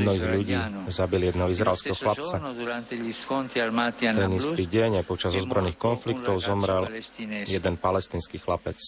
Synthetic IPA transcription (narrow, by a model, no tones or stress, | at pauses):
mnɔɦiɣʎuɟiːzabiljɛd̪nɛɦɔizɾa̰ɛlskɛɦɔxlap̚t͡sa | t̪ɛnist̪iɟɛɲajpɔt͡ʃazɔzbɾɔjniːxkɔnflikt̪ɔʊzɔmɾɛljɛd̪ɛnpalɛst̪iːnskiːxlapɛt͡s